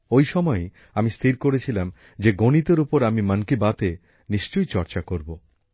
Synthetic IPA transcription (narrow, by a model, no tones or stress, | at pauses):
ojʃɔmɔe | amist̪ʰiɾkoɾet͡ɕʰilam | d͡ʑeɡonit̪oɾupoɾamimankibat̪e | niʃt͡ɕojt͡ɕɔɾt͡ɕakoɾbo